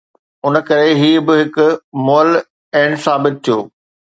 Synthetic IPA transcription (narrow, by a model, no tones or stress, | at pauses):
ʊnəkɐɾeɦiːbɪɦɪkʊmoːəl | ɛːɳsaːbɪt̪̚t̪ʰijoː